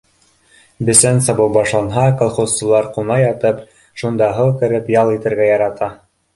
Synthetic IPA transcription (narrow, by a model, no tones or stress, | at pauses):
bɘ̆sænsɑβɤwbɑʃlˠɑnɦɑkolˠχost͡sɤ̆lˠɑɾqunɑjɑt̪ɤp | ʃund̪ɑɦɤw̪ˠkɘ̆ɾɘpjɑlˠit̪ɘ̆ɾɡæjɑɾɑt̪ɑ